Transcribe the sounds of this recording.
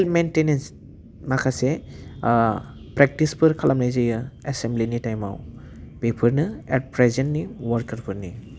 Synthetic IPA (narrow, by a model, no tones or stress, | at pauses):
lmentenens | makʰase | pɾek̚ʈispɯɾkʰalʔamnajzɯjɯesemblinitajma̰w | pepʰɯɾnɯɛt̚pɾezenniwɔɾkəɾpʰɯɾni